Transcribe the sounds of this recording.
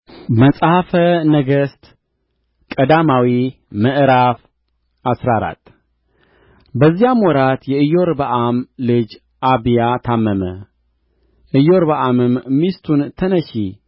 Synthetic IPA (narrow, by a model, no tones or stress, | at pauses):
məsʼhafənəɡəst̪ | kʼəd̪amawi | məʔɨɾaf | ʔasɾaɾa̰t̪ː | bəzːijamwɔɾat̪jɛɨjo̞ɾbəʔamlɨd͡ʒ | ʔaβijat̪ʰamːəmə | ʔɨjoɾbəʔamɨmmist̪ʰunt̪ʰənəʃi